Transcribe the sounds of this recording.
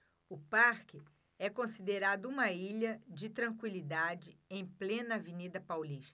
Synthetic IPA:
ʊpaɾkɪ | ɛkõsid̪eɾad̪ʊũmɐiʎɐd͡ʒɪt̪ɾɐ̃ŋkwilid̪ad͡ʒɪẽj̃plẽnɐːvenid̪ɐpawliʃt̪ɐ̥

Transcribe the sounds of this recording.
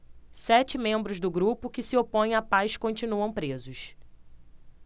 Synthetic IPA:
sɛt͡ʃɪmẽmbɾʊzd̪ʊɡɾupʊkɪsɪopõj̃apajskõnt͡ʃinuɐ̃w̃pɾezʊʃ

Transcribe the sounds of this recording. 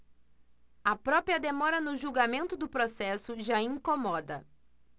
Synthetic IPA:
ɐpɾɔpɾiɐd̪emɔɾɐnʊʒuɡamẽnt̪ʊd̪ʊpɾosɛsʊʒaĩŋkomɔd̪ɐ̰

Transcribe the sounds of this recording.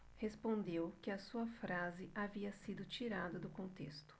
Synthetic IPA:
hespõnd̪ewkɪɐsuɐfɾazɪʔaviɐsid̪ʊt͡ʃiɾad̪ɐd̪ʊkõnt̪ḛst̪ʊ̥

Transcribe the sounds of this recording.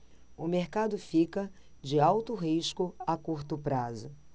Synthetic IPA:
ʊmeɾkad̪ʊfikɐ | d͡ʒɪawt̪ʊɦiʃkʊakuɾt̪ʊpɾazʊ

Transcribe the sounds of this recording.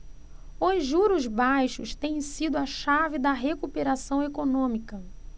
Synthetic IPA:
ʊzʒuɾʊzbajʃʊʃt̪ẽj̃sid̪ʊɐʃavɪd̪ɐɦekupeɾasɐ̃w̃ekonõmikɐ

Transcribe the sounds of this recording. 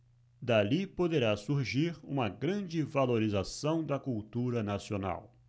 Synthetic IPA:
d̪alipod̪eɾasuɾʒiɾṵ̃mɐɡɾɐ̃d͡ʒɪvaloɾizasɐ̃w̃d̪ɐkuwt̪uɾɐnasiona̰w

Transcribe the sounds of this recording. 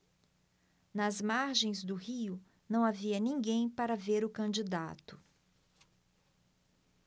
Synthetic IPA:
nɐzmaɾʒẽj̃zd̪ʊhiʊ | nɐ̃w̃aviɐnĩɡẽj̃paɾɐveɾʊkɐ̃d͡ʒid̪a̰t̪ʊ̥

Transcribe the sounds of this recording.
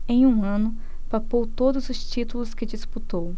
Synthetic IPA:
ẽj̃ũɐ̃nʊ | papowt̪od̪ʊzʊst͡ʃit̪ulʊskɪd͡ʒisput̪ow

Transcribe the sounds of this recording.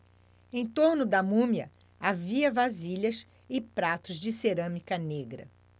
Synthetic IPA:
ẽt̪oɾnʊd̪ɐmũmjɐ | aviɐvaziʎɐs | ɪpɾat̪ʊzd͡ʒɪseɾɐ̃mikɐneɡɾɐ̰

